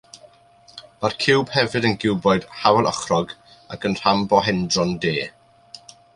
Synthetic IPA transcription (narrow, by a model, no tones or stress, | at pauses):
markʰɪwbhɛvɨdənɡɪwbɔɨd̥hawɛlˠʔɔχrɔɡ | akənr̥ambɔɦɛndrɔndeː